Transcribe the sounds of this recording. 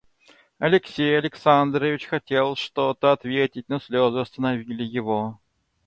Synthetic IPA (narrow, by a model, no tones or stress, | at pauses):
ɐlʲɪksʲejɐlʲɪksand̪ɾəvʲɪt͡ɕxɐtʲe̞lˠʂt̪ot̪əɐt̪vʲetʲɪt̚ʲnəsʲlʲozʊɐst̪ənɐvʲilʲɪjɪvo